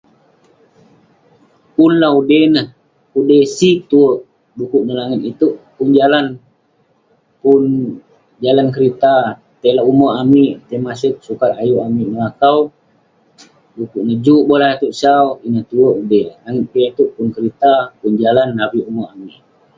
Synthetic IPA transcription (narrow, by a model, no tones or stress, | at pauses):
punlaudenəh | udesit̪uəʔ | dukuʔnəlaŋit̪it̪uʔpund͡ʒalan | pun | d͡ʒalankəɾit̪a | t̪elaumoʔamiʔt̪emasək̚sukat̪ajuʔamiʔnəakaw | dukuʔnəd͡ʒuʔbolait̪uʔsauinəht̪uəʔudelaŋit̪̚piat̪uʔpunkəɾit̪apund͡ʒalanːabiumɔamiʔ